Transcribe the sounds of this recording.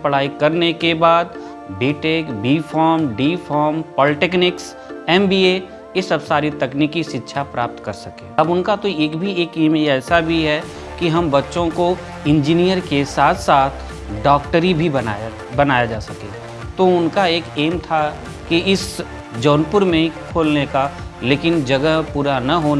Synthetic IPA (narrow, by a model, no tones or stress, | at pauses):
pəɽ̤aːikɐɾnekebaːd̪̚ | beːʈeːkbiːfʰɔːɾmɖiːfɔːɾmpɔːlɪʈeːknɪks | ɛːmbiːe | jesɐbsaːɾit̪ɐkniːkiʃɪtːʃʰapɾaːp̚t̪kɐɾsɐkẽːɐbʊnkat̪oeːkbʱieːkeːmeɛːsabʱiɦɛ | kiɦɐmbɐtːʃõko | ɪ̃nd͡ʒiːnijəɾkesaːt̪ʰsaːt̪ʰ | ɖɔːkʈəɾibʱibɐa | bɐnaːjad͡ʒaːsɐkḛ̃ː | t̪oʊnkaeːkeːmt̪ʰa | kiɪs | d͡ʒɔːnpʊɾmẽkʰoːlnekaleːkɪnd͡ʒɐɡəɦpuːɾanɐɦoːn